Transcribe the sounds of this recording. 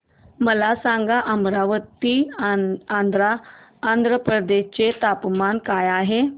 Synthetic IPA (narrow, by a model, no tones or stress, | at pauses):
məlasãŋɡaʔəmɾaʋət̪ːi | and̪ɾaːnd̪ʱɾəpɾəd̪eɕt͡set̪apmankajaɦe